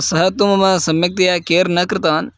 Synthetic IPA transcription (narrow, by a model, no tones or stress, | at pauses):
sɐɦɐt̪umɐmɐsɐmjɐk̚t̪ɐjakeːɾnɐkɾɪt̪aːn